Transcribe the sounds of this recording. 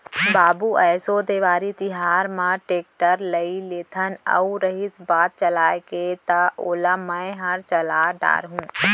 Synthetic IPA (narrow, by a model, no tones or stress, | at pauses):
baːbuɛːsod̪eːʋaːɾit̪ɪɦaːɾmãʈeːk̚ʈəɾləileːt̪ʰənə̰uɾəɦɪsbaːt̪̚t͡ʃəlaːjket̪ɐoːlamə̃ɦɐɾt͡ʃɐlaːɖa̰ːɾɦũː